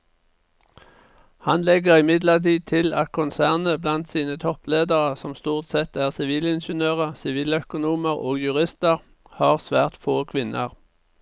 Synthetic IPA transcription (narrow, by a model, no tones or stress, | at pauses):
hɑnlɛɡəʁɪmɪd̪ləʁt̪iːd̚t̪ʰɪlɑt̪̚kʰʊnsæːʁnəblɑnt̪siːnət̪ʰɔpleːd̪əʁəsɔmst̪uːʁt̪sɛt̪æːʁsɪʋiːlɪnʃənøːʁəsɪʋiːlœkʊnuːməʁoːɡjʉʁɪst̪əʁ | hɑːʁsʋæːʁt̪foːkʰʋɪnʔə̰ʁ